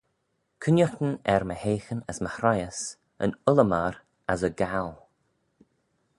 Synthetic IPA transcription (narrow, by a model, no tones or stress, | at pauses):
kʰʊnjəxt̪ənɛɾməheːxənəsməhɾajəs | ə̰nʊləmaɾ | azəɡalˠ